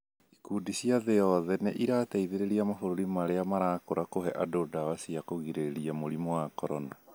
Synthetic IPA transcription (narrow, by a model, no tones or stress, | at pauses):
ikuːdisiaðejɔðɛneʔiɾaːtɛiðeɾeɾiamafoɾoɾimaɾeamaɾaːkoɾakoɦɛʔadodawasiakoɣiɾeɾiamoɾimɔwakɔɾɔna